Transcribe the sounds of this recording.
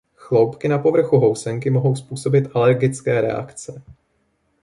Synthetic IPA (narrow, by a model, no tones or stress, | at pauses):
xlo̞wpkɪnapo̞vr̩xuɦo̞wsɛŋkɪmoɦo̞wspuːso̞bɪt̪ʔalɛɾɡɪt͡skɛːɾɛ̰a̰kt͡sɛ